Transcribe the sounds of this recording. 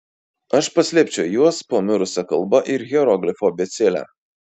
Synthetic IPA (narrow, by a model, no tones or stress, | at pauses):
ɐʃpɐsʲlʲipʲt͡ʃʲɛʊjuɔspoːmʲʊɾʊsʲɐkɐlˠbɐʔɪɾɣʲɛɾɔɡlʲɪfoːbʲɛt̪sʲelʲæ̰